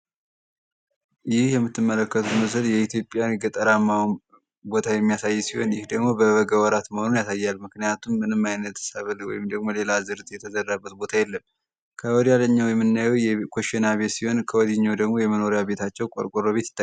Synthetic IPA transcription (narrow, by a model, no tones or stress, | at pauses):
jɪhjɛmːɨt̪ʰːɨmːələkːət̪ʰut̪məs̬əljɛit̪jo̞pʼːjaɡət̪ʼəɾamːawn | bo̞t̪ʰajɛmːijasajːsiho̞̰njɪhd̪əɡmo̞bəβəɡəwɔɾat̪məho̞nunjasajːalmɨknijat̪ʰumːɨnɨmːajnət̪səβɨlwɔ̰jɪmd̪əɡmo̞le̞lazɨɾt̪ʼjɛt̪ʰəzərːabːət̪̚bo̞t̪ʰajɛlːəm | kʰəwɔd̪jalːəɲːawjɛmːɨnːajɛwjɛkʰoʃɛnaβe̞siho̞nkʰəwɔd̪iɲːawd̪əɡmo̞jɛməno̞ɾijaβe̞t̪ʰat͡ʃːɛwkʼo̰ɾkʷʼoɾoβe̞t̪ɪt̪ːa